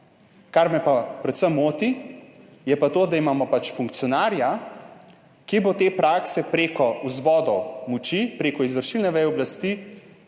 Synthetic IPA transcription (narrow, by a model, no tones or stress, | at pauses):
kaɾmɛpapɾɛt̪səmːoːt̪i | jɛpat̪oːd̪aimaːmɔpat͡ʃfuŋkt̪sjɔnaːɾja | kibot̪eːpɾaksɛpɾeːkɔuzʋɔːd̪ɔwmut͡ʃipɾeːkɔizʋəɾʃilnɛʋɛjɔblast̪i